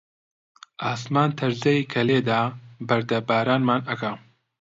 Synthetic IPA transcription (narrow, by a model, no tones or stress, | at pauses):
ʔaːsmaːnt̪ʰɐɾzɐjiːkʰɐleːd̪aːbɐɾd̪ɐbaːɾaːnmaːnɐkɐ